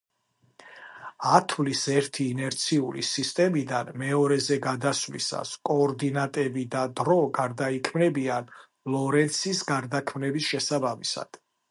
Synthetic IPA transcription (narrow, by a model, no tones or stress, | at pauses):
at̪ʰvlisɛɾt̪ʰiːnɛɾt̪sʰiuɾḭsist̪ʼɛmid̪anmɛɔɾɛzɛɡad̪asvlḭsa̰skʼɔːɾd̪inat̪ʼɛbid̪ad̪ɾɔɡaɾd̪aikʰmnɛbian | lˠɔɾɛnt̪sʰisɡaɾd̪akʰmnɛbisʃɛsabamisa̰d̪̥